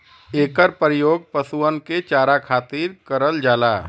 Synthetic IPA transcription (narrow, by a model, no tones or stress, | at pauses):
eːkəɾpɾjoːɡ̚pəsuənket͡ʃaːɾakʰaːt̪iːɾkəɾəld͡ʒaːla̰ː